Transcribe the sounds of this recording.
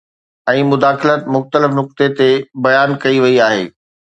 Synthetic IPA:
ɛ̃ːmʊd̪aːxɪlət̪mʊxt̪əlɪfnʊk̚t̪et̪ebɐjaːnkɐiʋɐiaːɦḛː

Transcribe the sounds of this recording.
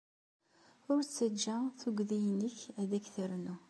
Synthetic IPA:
ʊɾt͡sːəd͡ʒːæθuɡðijənəçæðækθəɾnu

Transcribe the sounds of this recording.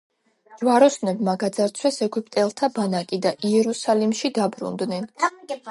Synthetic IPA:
d͡ʒwaɾɔsnɛbmaɡad̪zaɾt̪sʰwɛsɛɡipʼt̪ʼɛlˠt̪ʰabanakʼid̪aʔiɛɾusalimʃid̪abɾṵnd̪nɛn

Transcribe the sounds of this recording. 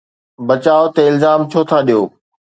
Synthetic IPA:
bɐt͡ɕaːot̪eɪlzaːmt͡ɕʰoːt̪ʰaɗijoː

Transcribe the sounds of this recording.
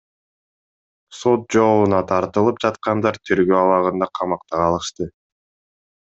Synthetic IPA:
so̞t̪̚d͡ʒo̞lˠunɑt̪ʰɑɾt̪ɯlˠɯp̚d͡ʒɑt̪̚qɑnd̪ɑɾt̪ʰyɾɡøɑwɑʁɯnd̪ɑqʰɑmɑqt̪ɑɑlˠɯʃt̪ɯ

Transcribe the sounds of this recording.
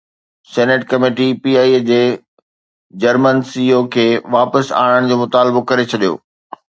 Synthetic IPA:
sɛːneʈkɐmeːʈipiːaːiːd͡ʑeː | d͡ʑɐɾmənsiːokʰeːʋaːpəsa̰ːɽ̃əɽ̃d͡ʑoːmʊt̪aːlbokɐɾet͡ɕʰɐɗijo̰ː

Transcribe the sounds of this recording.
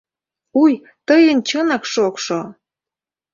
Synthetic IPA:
uj | t̪əjənt͡ɕənɑkʃokʃo

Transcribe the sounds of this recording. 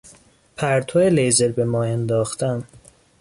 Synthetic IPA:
pʰæɾt̪ʰoːelejzelbemɒːend̪ɒːxt̪æm

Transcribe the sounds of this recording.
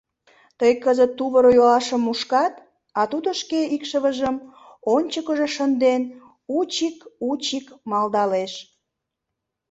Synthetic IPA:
t̪əjkəzət̪ːuβəɾojolɑʃəmːuʃkɑt̪ | ɑt̪ud̪oʃkeikʃəβəʒəm | onʲt͡ɕəkəʒeʃənd̪en | ut͡ɕikut͡ɕikmɑld̪ɑleʃ

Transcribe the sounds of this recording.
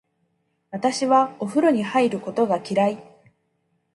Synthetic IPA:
βat̪aɕiβao̞ɸɯ̟ɾo̞ɲ̟ihaiɾɯ̟ko̞t̪o̞ɡakʲiɾai

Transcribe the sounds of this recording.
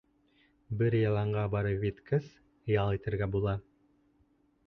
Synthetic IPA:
bɘɾjɑlˠɑɴʁɑbɑɾɤvʲit̪kəs | jɑlˠit̪ɘ̆ɾɡæbulˠɑ

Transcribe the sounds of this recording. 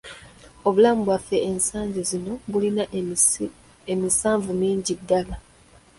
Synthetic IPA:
o̞βulaːmuβwafe̞ensaːɲɟizino̞βulina | emisaːɱvumiːɲɟidːala

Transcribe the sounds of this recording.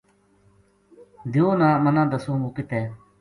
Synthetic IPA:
d̪ɪõːnãːmənãːd̪əsõːɡuːkɪt̪eː

